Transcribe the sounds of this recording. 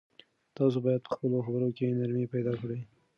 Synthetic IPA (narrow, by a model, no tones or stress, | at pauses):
t̪ɑs̬obɑjad̪̚pə̥xpəloxabɾokenaɾmipajd̪ɑkɽej